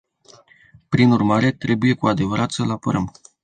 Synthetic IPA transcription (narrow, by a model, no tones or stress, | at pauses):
pɾinurmaɾe̞t̪ɾe̞buje̞kuad̪e̞vəɾʔat̪səlapəɾəm